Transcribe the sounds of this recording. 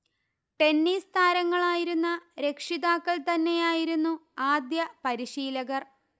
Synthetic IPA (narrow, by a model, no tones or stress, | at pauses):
ʈe̞nːiːst̪ʰaːɾɐŋːɐɭaːjiɾunːɐɾe̞kʂiðaːkːɐɭt̪ɐnːe̞jaːjiɾunːuaːd̪jɐpɐɾiɕiːlɐɣɐr